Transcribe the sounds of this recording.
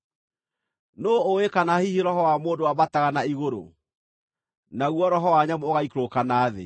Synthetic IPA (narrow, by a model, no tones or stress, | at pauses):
noːwekanahihiɾɔɦɔwamoːndowabataɣanaiɣoɾo̰ | naɣwɔɾɔɦɔwaɲamooɣaikɾokanaːðḛ